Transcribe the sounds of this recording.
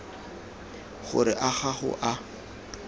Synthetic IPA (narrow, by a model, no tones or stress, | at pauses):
χʊ̰ɾɪʔaχaχʊ̰ʔa